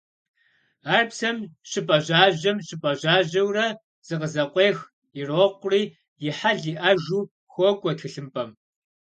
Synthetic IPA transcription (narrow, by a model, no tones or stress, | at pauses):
aːrpsɐmɕɪpʼɐʑaːʑɐmɕɪpʼɐʑaːʑɐwrɐ | z̥ɨqəzɐqʷeːx | ɪroːqʷʊriː | jɪħaɮiʔɐʒuː | xʷɔɡʷʼɔtʰɨɬɨmpʼɐm